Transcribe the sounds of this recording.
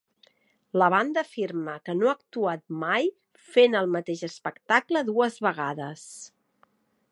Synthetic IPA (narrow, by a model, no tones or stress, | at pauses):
ləβand̪əːfirməkənoak̚t̪uat̪̚maj | fenəlˠmət̪eʒəspəkt̪akləðuəzβəɣ̞aðəs